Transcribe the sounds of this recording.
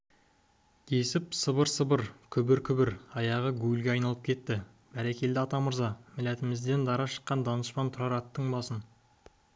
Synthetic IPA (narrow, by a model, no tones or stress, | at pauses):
d̪ʰe̞sɪpsəbəɾsəbəɾkʲʰʏbɪɾkʲʰʏbɪɾɑjɑʁəɡʲuɡɪlʲɡʲeɑjnɑlˠəp̚kʲʰe̞t̪ːɪ | b̥æɾekʲe̞ld̪ɪɑt̪ɑməɾzɑmɪlæt̪ɪmɪzd̪e̞nd̪ɑɾɑʃə̥qːɑnd̪ɑnəʃpɑnt̪ʰʊɾɑɾɑt̪ːəɴbɑsən